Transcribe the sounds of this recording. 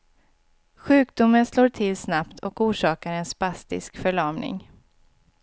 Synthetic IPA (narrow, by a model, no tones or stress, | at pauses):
ɧʉ̟ːk̚d̪ʊmːənsloːʈʰɪlsnapt̪ʰɔkuːʂɑːkaɾɛnspast̪ɪ̰skfœɭɑːmnɪ̰ŋ